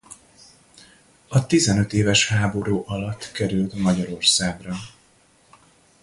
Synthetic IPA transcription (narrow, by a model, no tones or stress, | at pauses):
ɒt̪izɛnø̞t̪eːvɛʃhaːbo̞ɾuːʔɒlɒt̪ːkɛɾylt̪mɒɟɒɾo̞rsaːɡrɒ